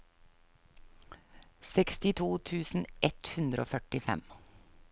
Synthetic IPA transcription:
sɛkst̪ɪt̪ʰuːt̪ʰʉːsn̩ʔɛt̪hʉnd̪ɾəo̰ːfœʈɪfɛ̰m

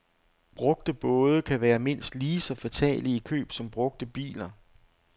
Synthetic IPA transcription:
b̥ʁɔ̽ɡ̥d̥əb̥ɔ̽ːð̞ˠəkʰæʋæːɐme̝n̰sd̥liːsɒ̽fæt͡sʰɛ̰ːliikʰø̰ːb̥sɒ̽mb̥ʁɔ̽ɡ̥̚d̥əb̥ḭːlɐ

